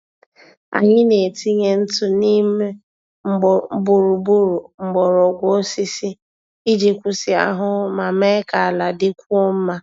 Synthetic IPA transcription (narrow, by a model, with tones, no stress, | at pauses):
a̰˨ɲɪ˦ne˨ti˦ɲe˦n̩˦tʊ˦ni˦me˦ | ŋ͡m̩˦˨˦bu˨ɾu˨bu˦ɾu˨ŋ͡m̩˨ɡ͡bɔ˨ɾɔ˨ɡʷo˦si˦sɪ˦ | i˦d͡ʒi˨kʷʊ˨sɪ˨a̰˨ɦʊ˦ma˨me˦ka˨a˨la˨dɪ˦kʷu˦o˦m̩˦ma˦